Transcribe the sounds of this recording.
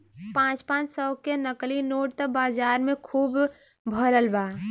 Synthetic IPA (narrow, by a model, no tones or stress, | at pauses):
pãt͡ʃpãːt͡ʃsəʊkenəklinoːʈt̪əbaːd͡ʒaːɾmẽkʰuːb | bʱəɾəlba